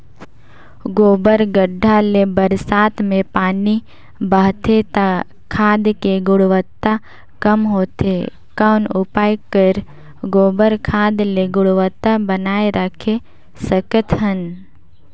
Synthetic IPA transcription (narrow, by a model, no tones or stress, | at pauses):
ɡoːbəɾɡəɖʱːalebəɾsaːt̪mẽpaːni | bəːɦt̪ʰet̪a | kʰaːd̪keɡʊɽʋət̪ːa | kəmɦoːt̪e | kaʊnʊpaːjkəɾ | ɡoːbəɾkʰaːd̪leɡʊɽʋət̪ːabənaːeɾʔəkʰe | səkət̪ɦən